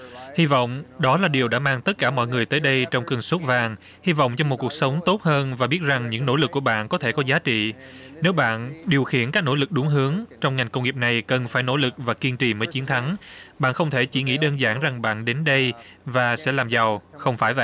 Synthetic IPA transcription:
hi˧vɔ̰˧˨wŋ͡mɗɔ˨˦laː˨˩ɗi˨˩əwɗa̰ː˧˥maː˧ŋt̪ə˦˥t̚kaː˧˩mɔ̰˧˨jŋɨ˨˩əjt̪əː˨˦jɗə˧jt͡ɕɔ˧wŋ͡mkɨ˨˩ŋso˦˥t̚vaː˨˩ŋ | hi˧vɔ̰˧˨wŋ͡mt͡ɕɔ˧mo˨˩t̚ku˨˩ək̚sə˨˦wŋ͡mt̪o˦˥t̚həː˧nvaː˨˩ɓi˦˥ət̚za˨˩ŋɲɨ̰˧˥ŋno̰˧˥˩lɨ˨˩kːu˧˩əɓa̰ː˧˨nkɔ˨˦t̪ʰe˧˩kɔ˨˦zaː˨˦t͡ɕḭ˧˨ | ne˨˦wɓa̰ː˧˨nɗi˨˩əwxḭ˧˩ənkaː˦˥k̚no̰˧˥lɨ˨˩k̚ɗʊ˨˦ŋɦɨ˨˦əŋt͡ɕɔ˧wŋ͡mŋa˨˩jŋkə˧wŋ͡mŋi˨˩p̚na˨˩jkə˨˩nfaː˧˩jno̰˧˥lɨ˨˩k̚vaː˨˩ki˧ənt͡ɕḭ˧˨˩məː˨˦jt͡ɕi˨˦ənt̪ʰa˨˦ŋɓa̰ː˧˨nxə˧wŋ͡mt̪ʰe˧˩t͡ɕi˧˩ŋḭ˧˥ɗəː˧nzaː˧˩ŋza˨˩ŋɓa̰ː˧˨nɗe˨˦nɗə˧j | vaː˨˩sɛ̰˧˥laː˨˩mza˨˩wxə˧wŋ͡mfaː˧˩jva̰˧˨

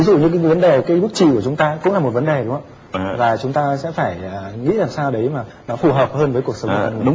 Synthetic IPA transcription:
vi˨˦zṵ˧˨ɲɨ̰˧kaː˨˦˨və˨˦nɗe˨˩kaː˨˦jɓɨ˦˥k̚t͡ɕi˨˩ku˧˩ət͡ɕʊ˨˦ŋ͡mt̪aː˧kʊ̰˧˥ŋ͡mlaː˨˩mo˨˩t̚və˨˦nɗe˨˩ɗʊ˨˦ŋ͡ma˧˦ | vaː˨˩t͡ɕʊ˨˦ŋ͡mt̪aː˧sɛ̰˧˥faː˧˩jːŋḭ˧˥laː˨˩msaː˧wɗə˨˦jmaː˨˩ | nɔ˨˦fu˨˧˩ɦəː˨˩p̚həː˧nvəː˨˦ku˨˩ək̚sə˨˦ŋ͡m

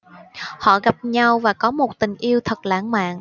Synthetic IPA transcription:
hɔ̰˧˨ɣa˨˩p̚ɲa˧wvaː˨˩kɔ˨˦mo˨˩t̚t̪ï˨˩ŋ̟ʔi˧əwt̪ʰə˨˩k̚la̰ː˧˥˩ŋma̰ː˧˨ŋ

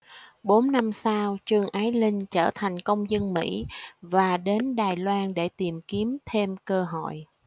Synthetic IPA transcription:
ɓo˨˦nːa˧msaː˧wt͡ɕɨ˨˩əŋʔaː˨˦jlï˧ŋ̟t͡ɕəː˧˩t̪ʰa˨˩jŋ̟kə˧wŋ͡mzə˧nmḭ˧˥vaː˨˩ɗe˨˦nɗaː˨˩jlwaː˧nɗe˧˩t̪i˨˩mki˨˦əmt̪ʰe˧mkəː˧ɦo̰˧˨j

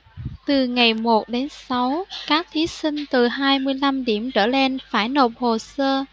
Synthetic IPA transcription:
t̪ɨ˨˩ŋa˨˩jmo˨˩t̚ɗe˨˦nsa˨˦wkaː˦˥k̚t̪ʰi˨˦sï˧ŋ̟t̪ɨ˨˩ɦaː˧jmɨ˧əjla˧mɗi˧˩əmt͡ɕəː˧˩le˧nfaː˧˩jno˨˩p̚ho˨˩səː˧

